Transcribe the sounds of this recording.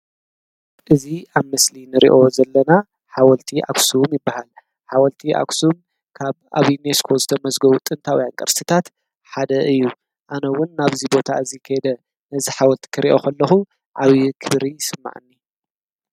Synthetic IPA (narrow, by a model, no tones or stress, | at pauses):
ʔɨziaβmɨslinɨɾḭʔo̞zɐlːɐna | ħawɔlt̪ʰiʔa̰ksumjɪbːahal | ħawɐlt̪ʰiʔa̰ksum | kʰaβa̰βjuneskʰozɨt̪ʰɐmɐzɡɐβut̪ʼɨnt̪ʰawɔjaŋkʼɐɾsʰɨt̪ʰat̪ | ħad̪ɐʔɨjːu | ʔanɐwʊnːaβzibo̞t̪ʰaɨzikʰɐjɛd̪ɐ | nɐziħawɐlt̪ʰi̥kʰɨɾḭʔo̞̰kʰɐlːɐxu | ʕawikʰɨβɾijɪsɨmːa̰ʕɨnːi